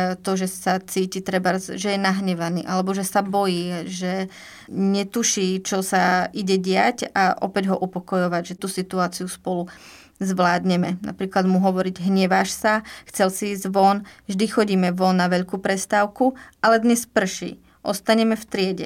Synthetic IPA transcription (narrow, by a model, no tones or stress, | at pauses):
t̪ɔʒɛsat͡siːcit̪ɾɛbazʒɛjɛnaɦɲɛʋanḭːʔalɛbɔʒɛsabɔjiːʒɛ | ɲɛt̪uʃiːt͡ʃɔsaiɟɛɟɪacaʔɔ̰pɛɟɦɔʔupɔkɔjɔʋaɟʒɛt̪uːsit̪uaːt͡siuspɔlu | zʋlaːd̪ɲɛmɛna̰pɾiːklad̪muɦɔʋɔɾiɟɦɲɛʋaʃsaxt͡sɛlsiiːzʋɔnʒd̪ixɔɟiːmɛʋɔnːaʋɛʎkuːpɾɛst̪aːʊkuʔalɛd̪ɲɛspr̩ʃḭː | ʔɔ̰st̪aɲɛmɛft̪ɾɪɛɟɛ̰